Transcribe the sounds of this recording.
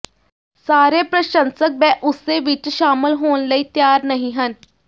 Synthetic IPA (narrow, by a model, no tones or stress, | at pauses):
saːɾeːpɾəʃənsək̚bɛ̃ːʔʊseːʋɪt͡ʃʃaːməlɦoːnləiːt̪jaːɾnəɦĩɦən